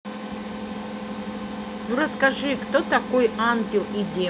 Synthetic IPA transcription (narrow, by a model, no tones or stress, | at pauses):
nurɐskaʐɨkt̪ot̪akojantʲilˠid̪ʲe